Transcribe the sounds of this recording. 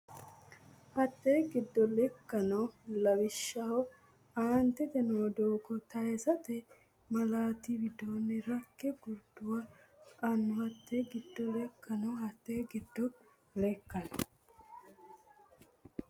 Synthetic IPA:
hɐt̪ːeɡɪd̪ːɔlɛkːɐnɔlɐwɪʃːɐhɔ | aːnt̪ɛt̪ɛnod̪oːkɔt̪ɐɛsɐt̪ɛ | mɐlaːt̪iwɪd̪oːnːɛɾɐkːɛɡʊɾd̪ʊwɐ | ɐnːʊhɐt̪ːeɡɪd̪ːɔlɛkːɐnɔɦɐt̪ːeɡɪd̪ːɔ | lɛkːɐnɔ

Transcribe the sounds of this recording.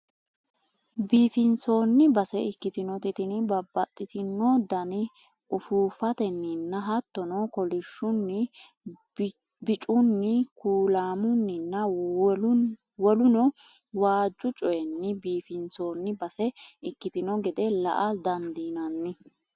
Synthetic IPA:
biːfɪnso̞ːnːɪbɐsɛɪkːɪt̪ɪnɔt̪ɪt̪ɪnbɐbːɐt̪ʼːɪt̪ɪnːɔd̪ɐnɪ | ʔʊfuːfɐt̪ɛnːɪnːɐɦɐt̪ːɔnɔkɔlɪʃːʊnːɪ | bɪt͡ʃʼʊnːɪkuːlaːmʊnːɪnːɐ | wɔlʊnɔ | waːd͡ʒːʊt͡ʃʼɔjɛnːɪbiːfɪnso̞ːnːɪbɐsɛɪkːɪt̪ɪnɔɡɛd̪ɛlɐ̰ʔɐd̪ɐnd̪iːnɐnːɪ

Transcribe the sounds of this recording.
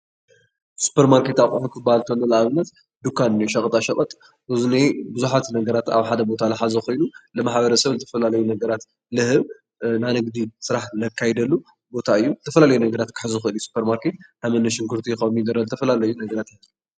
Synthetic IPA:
su̥pʰeɾmaɾket̪aβkʼħukʰɨbalt̪ʰonːɐlɐaβɨnːɐt̪ | d̪ukʰːanɨnjuʃɐkʼt̪ʼaʃɐkʼɐt̪ʼ | ʔɨzunebɨzuħat̪nɐɡɐɾat̪a̰βħad̪ɐbo̞t̪ʰalɨħazɐko̞jnulɨmaħbɐɾɐsɐβzɨt̪ʰɐfɐlalɐjunɐɡɐɾat̪ | lɨhɨβ | nanɨɡd̪isɨɾaħlɐkʰːajd̪ɐlːu | bo̞t̪ʰaɨjːuzɨt̪ʰɐfɐlalɐjunɐɡɐɾat̪kʰɨ̥ħɨzɨxɨɨlɨjːusu̥pʰɐɾmaɾket̪̚hamɐnɐʃɪŋkʰɨɾt̪ʰijɪxɐmid̪ɐɾɐlzɨt̪ʰɐfɐlalɐjunɐɡɐɾat̪jat̪ju

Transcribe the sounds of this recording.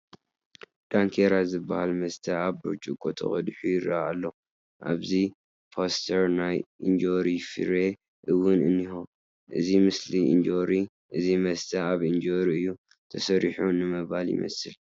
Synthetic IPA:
d̪̥aŋkʰeɾazɨbːahalmɐst̪ʰɐaβɾot͡ʃʼukʼot̪ʰɐ̰xʼɐ̰d̪ħujɪɾaalːo̞ | ʔa̰βzi | pʰost̪ʰɐɾnajind͡ʒoɾifḭɾe | ʔɨwʊnɨnːiho | ʔɨzimɨsliḭnd͡ʒoɾi | ʔɨzimɐst̪ʰɐaβɨnd͡ʒoɾiɨjːu | t̪ʰɐsɐɾiħunɨmɨβaljɪ̰mɐ̰sɨl

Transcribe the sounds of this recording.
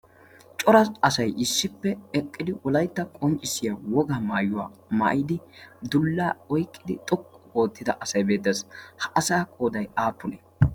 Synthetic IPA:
t͡ʃʼɔɾɐɐsɐjʔɪsːɪpːɛɛkʼːɪd̪ɪʔɔlɐjt̪ːɐkʼɔnt͡ʃʼːɪsɪjawɔɡaːmaːjʊwa̰ːmɐ̰ʔjɪd̪ɪd̪ʊlːaːɔjkʼːɪd̪ɪ̰t̪ʼɔkʼːɔo̞ːt̪ːɪd̪ɐʔɐsɐjbeːt̪ːɐshɐʔɐsaːkʼo̞ːd̪ɐjaːpːʊne

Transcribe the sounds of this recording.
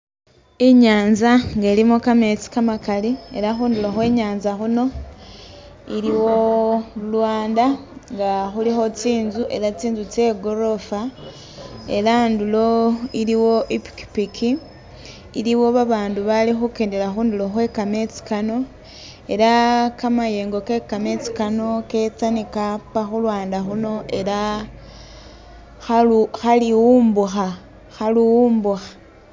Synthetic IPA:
iɲaːnzaŋɡelimokame̞t͡si̥kamakalieɾaxuːnduloxwe̞ːɲaːnzaxuno̞ | iɾiwo̞ulwaːndaŋɡaxulixo̞t͡siːnzuʔe̞ɾat͡siːnzut͡se̞ɡoɾo̞fa | e̞ɾandulo̞iɾiwo̞ʔipi̥ki̥pikʰi | iliwo̞βaβaːnduβalixukeːndelaxuːndulo̞xwe̞kame̞t͡si̥kano̞ | e̞ɾakamaje̞ːŋɡo̞ke̞kamet͡si̥kano̞ke̞t͡sanikapaxulwaːndaxuno̞ʔe̞la | xaluxaliwuːmbuxa | xaluwuːmbuxḁ

